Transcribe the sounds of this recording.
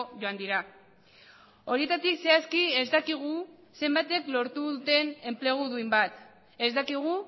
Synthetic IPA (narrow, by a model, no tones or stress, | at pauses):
ʝo̞and̪iɾa | o̞ɾie̞t̪at̪ikse̞askie̞zd̪akiɣ̞u | se̞mbat̪e̞klo̞ɾt̪uðut̪e̞ne̞mple̞ɣ̞uðuimbat̪ | e̞zd̪akiɣ̞u